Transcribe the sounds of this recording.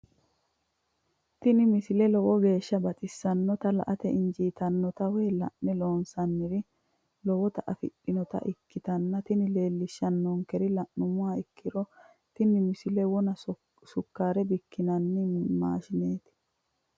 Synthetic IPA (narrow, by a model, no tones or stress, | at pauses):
t̪ɪnɪmɪsɪlɛlɔwɔɡe̞ːʃːɐbɐt̪ʼɪsːɐnːɔt̪ɐlɐ̰ʔɐt̪ɛɪnd͡ʒiːt̪ɐnːɔt̪ɐwɛːlɐ̰ʔnɛlo̞ːnsɐnːɪɾɪ | lɔwɔt̪ɐʔɐfɪ̰ɗːɪnɔt̪ɐ̰ʔɪkːɪt̪ɐnːɐt̪ɪnɪle̞ːlːɪʃːɐnːɔŋkɛɾɪlɐʔnʊmʊwaːɪkːɪɾɔ | t̪ɪnɪmɪsɪlɛwɔnɐ | sʊkːaːɾɛbɪkːɪnɐnːɪma̰ːʃɪneːt̪ɪ̥